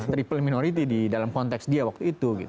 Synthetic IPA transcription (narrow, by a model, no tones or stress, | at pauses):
t̪ɾipəlminoɾit̪̬ididalamkɔnt̪ɛksdiawak̚t̪uit̪uɡḭt̪